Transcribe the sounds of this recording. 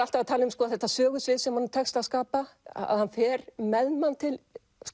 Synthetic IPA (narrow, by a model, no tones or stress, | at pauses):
al̥t̪avat̪ʰaːlɪnʏmskɔːaðθɛht̪ːasœːɣʏsvɪðsɛmhanːt̪ʰɛkst̪aðskaːpa̰a̰ðhanfɛːɾmɛðmant̪ʰɪl | s